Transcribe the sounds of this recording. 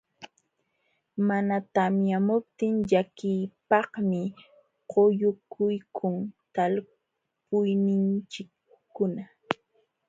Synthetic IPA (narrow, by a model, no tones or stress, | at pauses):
manat̪amjamʊp̚t̪ɪŋʎakɪjpɑhmɪ | qojʊkʰʊjkʰʊŋt̪al | pʊjnɪnt͡ʃɪkː | ʊna